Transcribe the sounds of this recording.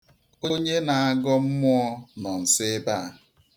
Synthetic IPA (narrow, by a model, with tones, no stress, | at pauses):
o˦ɲe˦na˨a˦ɡɔ˦m̩˦mʊ˦ɔ˦nɔ˨n̩˨sɪ˦ba˦a˦